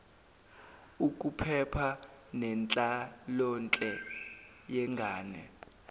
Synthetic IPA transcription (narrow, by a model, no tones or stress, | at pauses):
uk̬ʼupʰɛpʰanɛnt͡ɬʼalɔnt͡ɬʼɛ | jɛŋɡʱaːnɛ̰